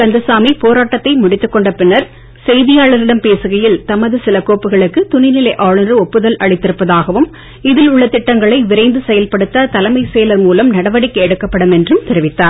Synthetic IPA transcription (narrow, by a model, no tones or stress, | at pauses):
kɐnd̪ɯsaːmipoːɾaːʈːɐt̪ːɐɪmʊɽɪt̪ːɯkːɔɳɖɐpːɪnːɐɾ | sɛjðɪjaːɭɐɾɪɽɐmpeːsɯɣɐjɪlt̪ɐmɐðɯsɪlɐkoːpːɯɣɐɭɯkːɯt̪ʊnɪnɪlɐɪʔaːɭɐnrɯɔpːɯðɐlʔɐɭɪt̪ːɪɾɯpːɐðaːɣɐʋɯm | ɪðɪlʊɭːɐt̪ɪʈːɐŋɡɐɭɐɪʋɪɾɐɪnd̪ɯsɛjɐlpɐɽɯt̪ːɐt̪ɐlɐmɐɪseːlɐɾmuːlɐmnɐɽɐʋɐɽɪkːɐɛɽɯkːɐpːɐɽɯmɛndrɯmt̪ɪɾɪʋɪt̪ːaːɾ